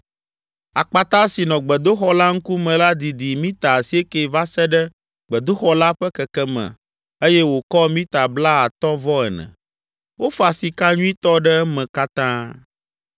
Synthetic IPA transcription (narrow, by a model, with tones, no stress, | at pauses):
a˨k͡pa˨t̪ã˦si˨nɔ̃˨ɡ͡bɛ˨d̪o˦xɔ˦la˦ŋ̩˦ku˦mɛ̃˨la˦d̪i˨d̪i˨mĩ˦t̪a˨si˦e˦ke˨va˦sɛ˦ɖɛ˦ | ɡ͡bɛ˨d̪o˦xɔ˦la˦ɸɛ˦kɛ˨kɛ˦mɛ̰̃˨ | e˦jɛ˦wo˨kɔ˦mĩ˦t̪a˨bla˦a˨t̪ɔ̃˦vɔ˦ɛ˨nɛ̰̃˨ | wo˦fa˨si˨ka˦ɲũ˦i˦t̪ɔ˦ɖɛ˦ɛ˦mɛ̃˨ka˦t̪ã˦